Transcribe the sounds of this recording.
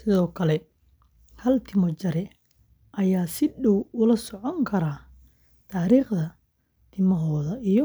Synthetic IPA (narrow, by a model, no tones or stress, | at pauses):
sɪðɔːkʰɐlɛ | hɐlt̪ʰɪmɔt͡ʃɐɾɛ | ʔɐjaːsɪɖɔwʊlɐsɔʕɔŋkʰɐɾaː | t̪ʰaːɾiːχðɐ | t̪ʰɪmɔɦɔːðɐijɔ